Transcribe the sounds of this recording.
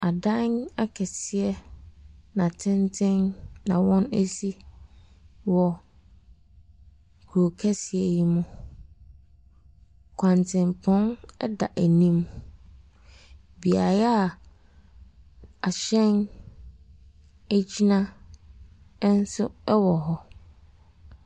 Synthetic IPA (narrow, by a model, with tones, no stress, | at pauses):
a˨dã˦n˦a˦kʰɛ˨sɪ˨ɛ˦ | nã˨tʰɪ̃˦ntʰɪ̃˦nːã˨wɔ̃˦næ˦si˦ | wɔ˨ | kʰu˨ɾo˨kʰɛ˦sɪ˨ɛ˦ji˦mʊ̃˨ | kʷʰã˨ntʰɪ̃˨mpʰɔ̃˦nɛ˦da˨ʔæ˨nĩ˦m | bi˨a˨ɾɛ˦a˦˨ | a˨ɕɛ̃˦n | æ˦d͡ʑi˦nã˦ | n̩˦sʊ˦ɛ˦wɔ˨ɦɔ˦